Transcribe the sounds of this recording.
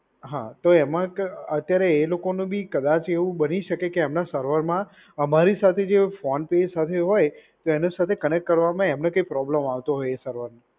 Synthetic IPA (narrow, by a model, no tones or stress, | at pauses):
ɦã̰t̪oɛmãkət̪jaɾeːlokonũbʱikəd̪at͡ʃeʋũbəniʃəkekeːmnasəɾʋəɾmã | əmaɾisat̪ʰed͡ʒefɔnped͡ʒsat̪ʰeɦɔjt̪oɛnesat̪ʰekənek̚ʈ̚kəɾʋamãemnẽkəipɾɔbləmaʋt̪oɦɔjesəɾʋəɾne